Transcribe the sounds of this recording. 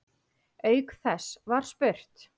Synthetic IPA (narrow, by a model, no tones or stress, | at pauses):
eːjkθɛsvaɾ̥spʏr̥t̪